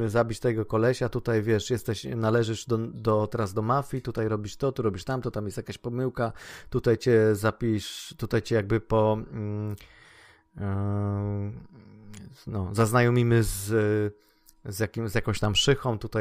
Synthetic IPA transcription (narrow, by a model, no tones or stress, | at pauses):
zabʲit͡ɕt̪ɛɛɡɔkɔlɛɕat̪ut̪ajvʲjɛʂjɛst̪ɛɕnalɛʐɛʂd̪ɔd̪ɔt̪ɛɾazd̪ɔmafʲit̪ut̪ajɾɔbʲiʂt̪ɔt̪uɾɔbʲiʂt̪amt̪ɔt̪amjɛst̪jakaɕpɔmɘwkat̪ut̪ajt͡ɕɛzapʲiʂt̪ut̪ajt͡ɕɛjaɡ̚bɘpɔ | nɔzaznajɔmʲimɘz | zjakʲimzjakɔ̃w̃ɕt̪amʂɘxɔ̃w̃t̪ut̪aj